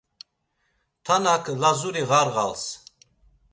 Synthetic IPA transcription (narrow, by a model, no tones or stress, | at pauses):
t̪ʰanakʰlazuɾiʁaɾʁa̰ls